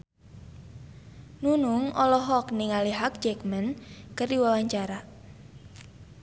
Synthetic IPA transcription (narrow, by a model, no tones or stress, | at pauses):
nunʊŋɔlɔɦɔkniŋaliɦak̚d͡ʒɛkmɛnkəriwawaɲt͡ʃaɾa